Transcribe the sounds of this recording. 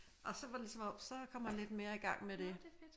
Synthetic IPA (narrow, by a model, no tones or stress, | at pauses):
ʔɒ̽sɒ̽ʋɑde̝lisɒ̽mɒ̥sɒ̽kʰɒ̽m̰ænle̝d̥me̝ːɐiɡ̥ɑ̈ŋ̰med̥e̝